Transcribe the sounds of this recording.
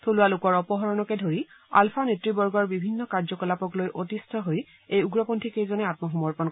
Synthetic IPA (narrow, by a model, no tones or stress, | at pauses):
tʰolʊwalʊkɔɹɔpɔɦɔɹɔnɔkɛdʱoɹi | a̰lpʰanetɹibɔɹɡɔɹbibʱinːɔkaɹzɔkɔlapɔklojʔotistʰɔɦoj | ejuɡɹɔpontʰikejzɔnɛatmɔxɔmɔɹpɔn